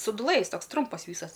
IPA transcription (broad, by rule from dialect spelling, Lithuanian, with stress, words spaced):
sʊdʊˈlˠɘ jɪs ˈtoːks ˈtrʊmpɐs ˈʋʲiːsɐs